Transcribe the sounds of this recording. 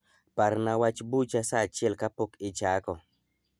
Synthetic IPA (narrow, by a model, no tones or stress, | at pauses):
paɾnawat͡ʃbut͡ʃasat͡ʃɛlkapokɪt͡ʃakɔ